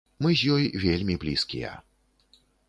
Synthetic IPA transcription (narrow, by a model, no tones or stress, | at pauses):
mɨzʲjɔjvʲelʲmʲiblʲiskʲijɛ̰